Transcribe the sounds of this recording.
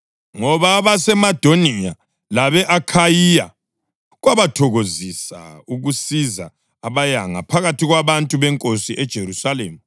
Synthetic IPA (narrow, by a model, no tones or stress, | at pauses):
ŋɔβaβasɛmad̥ʱonija | laβɛʔakʰajija̰ | ɣwaβatʰɔɣozisa̰uɣusizaː | βajaŋa̰pʰaɣatiɣwaβantʼuβɛŋkʼosiʔɛd̥ʒ̥ʱeɾusalḛːmi